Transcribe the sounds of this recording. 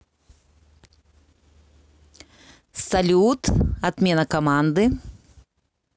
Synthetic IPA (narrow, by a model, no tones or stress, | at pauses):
sɐlʲut̪ɐt̪mʲenɐkɐmand̪ɨ